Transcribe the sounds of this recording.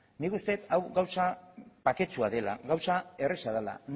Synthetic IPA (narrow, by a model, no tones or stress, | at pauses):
nikust̪e̞t̪awɣawsapake̞t͡suaðe̞la̰ɣawsae̞resaðala̰n